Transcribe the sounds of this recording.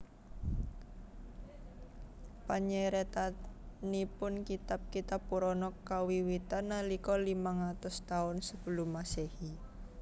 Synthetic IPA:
paɲɛɾet̪anipʊnkit̪ap̚kit̪apːuɾɔnɔkawiwit̪anːalikɔlimaŋat̪ʊst̪aʊnsəb̥əlʊmasehi

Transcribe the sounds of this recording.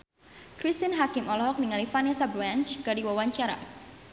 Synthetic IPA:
kɾist̪inɦakɪmɔlɔɦɔk̚niŋalifanasabɾant͡ʃkadiwawaɲt͡ʃaɾa̰

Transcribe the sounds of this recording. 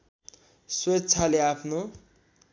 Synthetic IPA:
swetːt͡sʰaleapʰno

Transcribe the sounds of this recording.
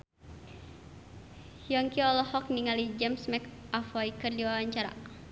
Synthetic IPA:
jɔŋkiɔlɔhɔk̚niŋalid͡ʒɛmsmɛkafɔikərdiwawaɲt͡ʃaɾa̰

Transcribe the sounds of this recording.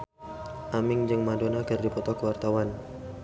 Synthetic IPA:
ʔamɪŋd͡ʒɨŋmadonakɨrdipɔt̪ɔkəwart̪awan

